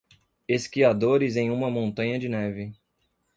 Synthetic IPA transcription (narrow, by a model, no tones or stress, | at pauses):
eskiad̪oɾɪzẽj̃ũmɐmõnt̪ɐ̃ɲɐd͡ʒɪnɛvɪ